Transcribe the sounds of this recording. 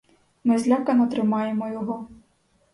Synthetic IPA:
mɪzʲlʲakɐnɐt̪ɾɪmɑjemɔjɔɦɔ

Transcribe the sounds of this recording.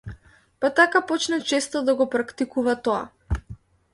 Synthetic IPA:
pat̪akapɔt͡ʃnat͡ʃɛst̪ɔd̪aɡɔpɾakt̪ikuvat̪ɔa̰

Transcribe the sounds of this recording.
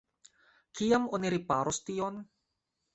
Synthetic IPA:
kʰijamoniɾipaɾost̪ion

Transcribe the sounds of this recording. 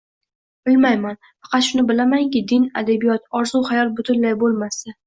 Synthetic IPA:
b̥ɪlmajman | fɑ̥qʰɑt̪ʃʊnɪbɪlamaŋkʲɪd̪ɪna̰d̪abijɒt̪ɒɾzuhajɒt̪̚bʊt̪ʰʊnlajbolˠmasa

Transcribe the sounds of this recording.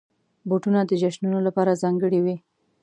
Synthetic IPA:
boʈunad̪əd͡ʒaʃnunolapɑɾazɑŋɡəɽiwi

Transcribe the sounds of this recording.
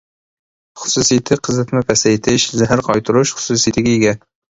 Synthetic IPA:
χʊ̥susijt̪ʰɪqʰəzɨt̪ʰmɛpʰɛsɛjt̪ʰɪʃzæɦæɾqʰɑjt̪ʰuɾʊʃχʊ̥susijt̪ʰɪɡʲɛjiɡʲɛ

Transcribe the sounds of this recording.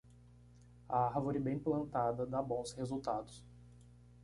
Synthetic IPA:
ɐaɾvoɾibẽj̃plɐ̃nt̪ad̪ɐd̪abõw̃shezuwt̪ad̪ʊs

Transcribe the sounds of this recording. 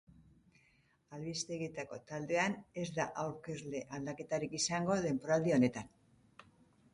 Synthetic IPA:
alβist̪e̞ɣit̪ako̞t̪ald̪e̞ane̞zd̪aʔawɾke̞zle̞ʔald̪ake̞t̪aɾikisaŋɡo̞ðe̞mpoɾald̪io̞ne̞t̪an

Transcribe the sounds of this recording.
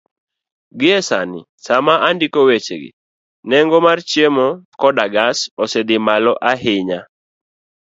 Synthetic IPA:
ɡɪɛsa̰nɪ̰ | samaʔandɪkowet͡ʃḛɡɪ̰ | nɛŋɡɔmart͡ʃjemɔkɔdaɡasɔsɛd̪ɪmalɔʔaɦɪɲa

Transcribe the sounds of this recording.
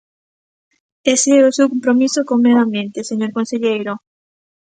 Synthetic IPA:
eseeosewkompɾomisokoŋmewãmbjent̪eseɲoɾkõnseʎejɾo

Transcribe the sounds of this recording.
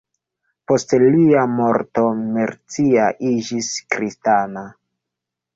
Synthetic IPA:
po̞stliamo̞ɾto̞meɾt͡siaʔid͡ʒiskɾistana

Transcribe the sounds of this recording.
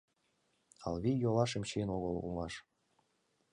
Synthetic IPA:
ɑ̰lβijolɑʃemɕinoɣəlṵmɑʃ

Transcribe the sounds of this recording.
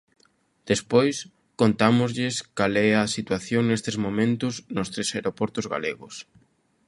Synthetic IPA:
d̪̥espojs | kont̪amʊzʎɪskalɛɐsit̪waθjoŋnest̪ɪzmomẽnt̪ʊsnʊst̪ɾesaeɾopɔɾt̪ʊzɣa̰leɣʊs

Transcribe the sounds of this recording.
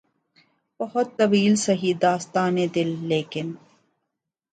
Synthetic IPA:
bɐhɔt̪ːɐʋiːlsɐɦid̪aːst̪aːned̪ilːeːkin

